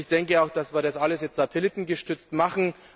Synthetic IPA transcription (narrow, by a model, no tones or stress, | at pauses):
çd̥ɛŋkəaʊxd̥asv̥iːɐdasʔaləsjɛt͡stz̥atʰɛlɪtn̩ɡəʃtʏt͡stmaχn̩